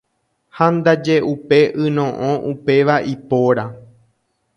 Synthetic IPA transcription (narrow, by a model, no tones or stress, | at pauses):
hand̪ad͡ʒe̞ʔupe̞ʔɨnõ̞ʔõʔupe̞ʋaʔipoɾa